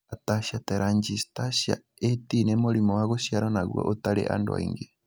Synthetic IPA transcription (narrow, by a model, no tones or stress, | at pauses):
ataʃatɛɾaɲd͡ʒistaʃa̰ | etinemoɾimɔwaɣoʃiaɾɔnaɣwɔ̰ʔotaɾḛʔa̰ndoa̰ḭŋɡe